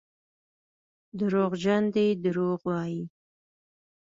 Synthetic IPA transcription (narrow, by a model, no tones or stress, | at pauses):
d̪əɾoɣd͡ʒand̪ed̪əɾoɣwɑji